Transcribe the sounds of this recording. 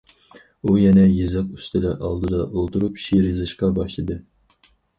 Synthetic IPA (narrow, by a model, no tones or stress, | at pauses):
ujɛnɛjizɨqy̥st̪ʰɪd̪ɛʔɑ̰lˠd̪ɨd̪ɑʔolˠt̪uɾupʃiɾizɨʃqɑbɑʃlˠɨd̪ɨ